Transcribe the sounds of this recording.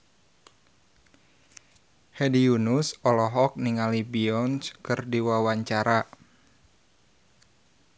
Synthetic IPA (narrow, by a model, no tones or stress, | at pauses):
hɛdiunusɔlɔɦɔk̚niŋalibiɔnskɨrdiwawaɲt͡ʃaɾa